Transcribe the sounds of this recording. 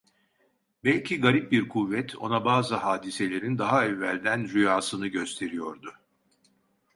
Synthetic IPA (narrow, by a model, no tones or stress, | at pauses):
bɛlʲcʰiɡaɾip̚biɾkʰuvːɛt̪ʰo̞̰nabaːzɯhaːd̪ise̞lʲe̞ɾind̪aɦaɛvːælʲd̪ænɾyjaːsɯnɯɟøst̪ʰe̞ɾijo̞ɾd̪ʊ